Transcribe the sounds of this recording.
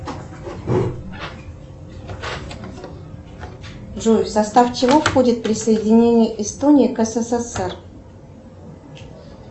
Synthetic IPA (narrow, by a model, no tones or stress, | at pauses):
ʐujsɐst̪aft͡ɕɪvo̞fxo̞dʲɪt̪pɾʲɪsəjɪdʲɪnʲenʲɪjəʔɪst̪onʲiikəsəsesɛr